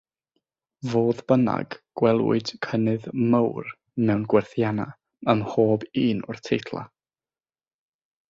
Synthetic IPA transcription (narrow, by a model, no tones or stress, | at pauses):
voːðbəna̰ɡ̥ɡ̥wɛlˠwɪ̰d̥kʰənɨðməwr | mɛwnɡwɛrθjana̰ | əmhoːbiːnʊrtʰejtʰlˠa̰